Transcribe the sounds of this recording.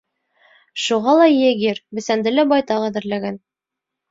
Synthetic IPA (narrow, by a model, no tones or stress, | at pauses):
ʃuʁɑlˠɑeɡɘɾbɘ̆sænd̪ɘlæbɑjt̪ɑqæðɘ̆ɾlæɡæn